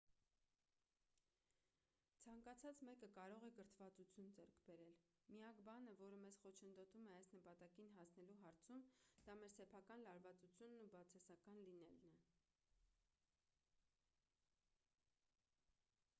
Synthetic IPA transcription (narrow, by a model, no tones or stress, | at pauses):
t͡sʰɑŋkɑt͡sʰɑt͡smɛkəkɑɾɔʁɛɡəɾt̪ʰvɑt͡sut͡sʰjund͡zɛɾkʰbɛɾɛl | miɑkbɑnəvɔɾəmɛzχɔt͡ʃʰənd̪ɔt̪umɛɑjsnəpɑt̪ɑkinɦɑsnɛluɦɑɾt͡sʰumd̪̥ɑmɛɾsɛpʰɑkɑnlɑɾvɑt͡sut͡sʰjunːubɑt͡sʰɑsɑkɑnlinɛlnɛ